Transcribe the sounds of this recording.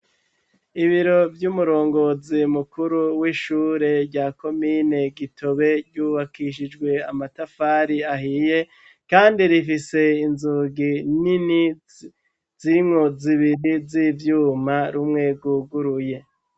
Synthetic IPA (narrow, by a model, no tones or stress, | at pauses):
iβiɾo̞vjumuɾo̞ːŋɡo̞zimukuɾuwiʃuːɾe̞ɾɟaːko̞miːne̞ɡitʰo̞βe̞ɾɟuβakiʃ̬id͡ʒɡwe̞amatafaːɾiaɦije̞ | kaːndiɾifise̞inzuːɡinini | z̥imŋo̞ziβiɾizivjuːmaɾumŋe̞ɡuɡuɾuje̞